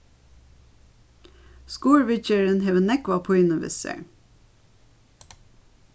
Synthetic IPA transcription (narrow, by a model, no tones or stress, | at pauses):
skuːɹʋɪt͡ʃəɹənɦeːʋənɛkʋɑpʰoːɪnəʋɪ̰sə̰